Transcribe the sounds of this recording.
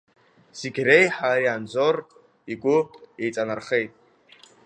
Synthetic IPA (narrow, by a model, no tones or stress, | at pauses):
siɡʲrejħaɾiand͡zor | iɡʷʊejt͡sʼanarχejtʼ